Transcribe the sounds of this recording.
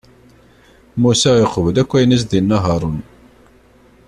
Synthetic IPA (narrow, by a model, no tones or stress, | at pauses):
musæeqːəvəlækʷːæjnæs̬ðinːɑɦɑɾˤən